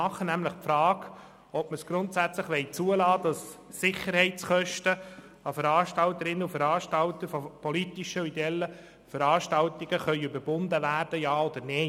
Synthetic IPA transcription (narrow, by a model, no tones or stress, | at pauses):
ɑχənæmləχpfɾɑːɡ | ɔpməsɡ̥ɾʊnt̪sæt͡sləχʋɛɪt͡suəlɑːd̥ɑsːɪχəɾhɛɪt͡sχœʃtə | ɑfəɾɑːʃtɑlt̪əɾɪnːəufəɾɑːʃtɑlt̪əɾfɔpʰɔlit̪iʃəid̪ɛlːə | fəɾɑːʃtɑltiɡ̥əχœʏʏbəɾbʊndəʋæːɾd̥əjɑːɔd̪əɾne